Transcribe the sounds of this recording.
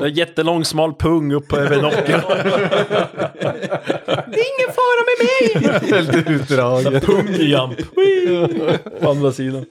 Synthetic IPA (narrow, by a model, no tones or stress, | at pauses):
d̪ɛæɾjɛt̪ːəlɔŋːsmɑːlpʰɵŋːɵpʰːɔɛvɛnɔkːə | d̪ɛɪŋːənfɑːɾamɛmɛjɛlt̪ʉːt̪d̪ɾɑːpʰɵŋjampw | fanɾasiːnə